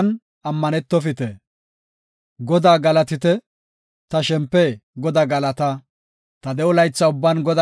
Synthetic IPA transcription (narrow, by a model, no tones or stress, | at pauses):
n | ʔɐmːɐnɛt̪ːɔfɪt̪ɛ | ɡɔd̪aːɡɐlɐt̪ɪt̪ɛ | t̪ɐʃɛmpːɛɡɔd̪aːɡɐlɐt̪ɐ | t̪ɐd̪ɛɔlɐjt͡sːɐʊbːanɡɔd̪a